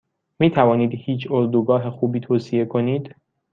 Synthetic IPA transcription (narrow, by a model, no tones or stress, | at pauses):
miːt̪ʰævɒːniːd̪hiːt͡ʃʰoɾd̪uɡɒːɦexuːbiːt̪ʰoːsie̞kʰo̞niːd̪̥